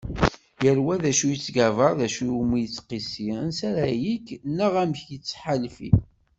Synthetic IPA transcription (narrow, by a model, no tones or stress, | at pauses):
jəɾwæðæʃujət͡sːɡævəɾˤðæʃujumijət͡sːqisiɾənsæɾæjiknəʁæmçjət͡sːħalfḭ